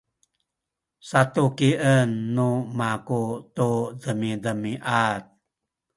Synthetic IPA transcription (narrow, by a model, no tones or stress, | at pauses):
satukiʔənːumakut̪udəmidəmiʔat̪̚